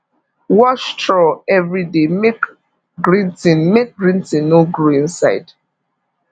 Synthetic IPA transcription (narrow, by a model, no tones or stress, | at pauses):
wɔʃtɹɔɛvɹidemek | ɡɹĩntĩnmek̚ɡɹĩntĩnːoɡɾoĩnsaɪd